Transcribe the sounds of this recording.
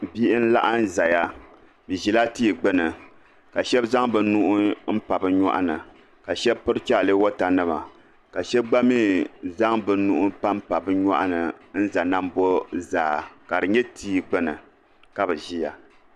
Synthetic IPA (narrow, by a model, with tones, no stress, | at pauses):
bi˦ʔɪ˦n̩˦la̰˦ʔa˦n˦za˨ja˦ | bɨ˨ʒi˨la˦tiː˦˨ɡ͡bɨ˦nɨ˨ | ka˨ʃɛ˦bza˦ŋbɨ˨˦nu˦ʔʊ˦m̩˦pa˨bɨ˦ɲa̰˦ʔa̰˦nɨ˨ | ka˨ʃɛ˦bpɨ˦ɾɨ˦t͡ʃa˦˨lɨ˦wo˦ta˨nɨ˦ma̰˨ | ka˨ʃɛ˦b̚ɡ͡ba˦miː˦˨za˦ŋbɨ˨˦nu˦ʔʊ˦pa˦m˦pa˨bɨ˦ɲa̰˦ʔa̰˦nɨ˨n̩˦za˨na˦mbo˦zaː˨˦ka˨dɨ˨ɲɛ˦tʰiː˦˨ɡ͡bɨ˦nɨ˨ | ka˦bɨ˨ʒi˦ja˨